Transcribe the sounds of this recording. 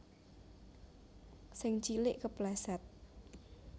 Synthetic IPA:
sɪŋt͡ʃilɪʔkəplasɛt̪̚

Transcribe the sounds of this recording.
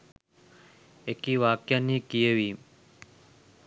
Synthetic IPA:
ekiʋaːkjanːikijəʋi

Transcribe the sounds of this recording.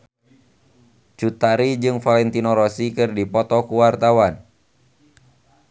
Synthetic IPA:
t͡ʃut̪aɾid͡ʒɨŋfalɛnt̪inɔɾɔsikɨrdipɔt̪ɔkuwart̪awan

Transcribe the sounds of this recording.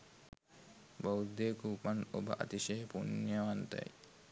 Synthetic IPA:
bowd̪eːkuːpɐnobɐ̰ʔɐ̰t̪iʃeːpunjɐʋant̪ɐ̰j

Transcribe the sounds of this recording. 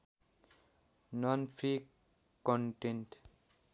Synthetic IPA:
nɔnpʰɾi | kɔɳʈeɳʈ

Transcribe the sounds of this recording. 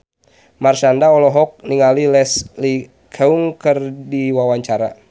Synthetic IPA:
marʃandaɔlɔɦɔk̚niŋalilɛsli | kʰɛuŋkərdiwawaɲt͡ʃaɾa̰

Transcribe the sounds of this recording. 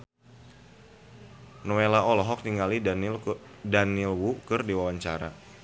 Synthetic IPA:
nɔelaɔlɔɦɔk̚t̪iŋali | danilwukɨrdiwawaɲt͡ʃaɾa̰

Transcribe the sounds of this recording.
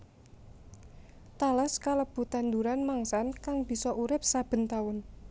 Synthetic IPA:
t̪aləskaləb̥ṳt̪and̪uɾanmaŋsankaŋb̥i̤sɔʔuɾɪp̚sab̥ə̤nt̪aʊn

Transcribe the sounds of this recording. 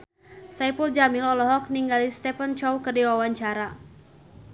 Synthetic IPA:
sajpuld͡ʒamilɔlɔɦɔk̚niŋɡalist̪ɛpənt͡ʃɔwkərdiwawaɲt͡ʃaɾa

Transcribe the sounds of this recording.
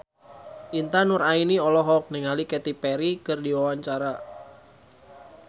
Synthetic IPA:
ʔint̪anuɾainiɔlɔɦɔk̚nɛŋalikɛt̪ipɛɾikɨrdiwawaɲt͡ʃaɾa

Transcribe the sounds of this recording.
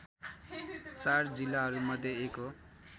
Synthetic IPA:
t͡sard͡zilːaɦʌɾumʌd̪ʱjeeko

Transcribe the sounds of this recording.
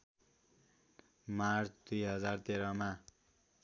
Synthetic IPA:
mart͡sʰd̪ujɦʌd͡zart̪eɾʌma

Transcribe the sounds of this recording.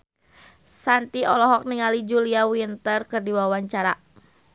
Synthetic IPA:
sant̪iɔlɔɦɔk̚niŋalid͡ʒuliawint̪ərkɨrdiwawaɲt͡ʃaɾa

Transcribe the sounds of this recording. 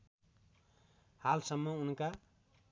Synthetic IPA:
halsʌmːʌunka

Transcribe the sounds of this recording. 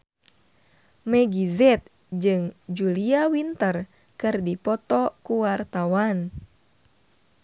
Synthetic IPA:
mɛɡizɛt̪̚ | d͡ʒɨŋd͡ʒuliawint̪ər | kɨrdipɔt̪ɔkuwart̪awan

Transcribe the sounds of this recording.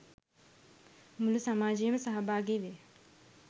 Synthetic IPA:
mulusamaːd͡ʒiːmɐsɐɦɐbʱaːɡiʋe

